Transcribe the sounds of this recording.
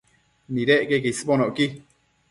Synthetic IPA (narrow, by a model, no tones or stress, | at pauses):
mĩɾeʔkekesɨ̥ponõʔki